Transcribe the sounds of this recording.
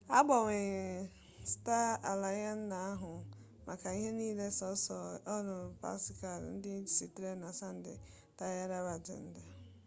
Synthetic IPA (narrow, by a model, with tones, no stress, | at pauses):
a˦ɡ͡bɔ˨wɪ˨ | sta˦a˨la˨ja˦n̩˦na˨a˦ɦʊ˨ | mʔa̰˨ka˨i˦ɦe˦niː˦le˦sɔ˨˦sɔ˨ɔ˦ɾʊ˨pa̰˦sɪ˨ka˨ɾ̰n̩˦dɪ˦n̩˦d͡ʒi˨si˨tɾe˦na˨sa˦n̩˦dɪ̰˨ | ta˦ja˦ɾa˦ba˨d͡ʒḛ˨n̩˦da˨